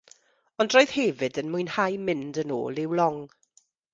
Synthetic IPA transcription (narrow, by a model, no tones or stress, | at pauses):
ɔndroːjð̥hɛvɨdənmujnhajmɪndəno̰ːlˠɪwlˠɔŋ